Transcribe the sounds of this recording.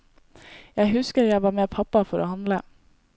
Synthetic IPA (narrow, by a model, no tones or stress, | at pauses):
jæɪhʉskəɾjæɪʋɑːɾmeːpʰɑpɑfɔɾo̰ːhɑnd̪lə